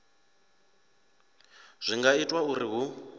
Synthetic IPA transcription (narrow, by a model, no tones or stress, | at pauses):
z̥ʷiŋɡaitʼwauɾiɦu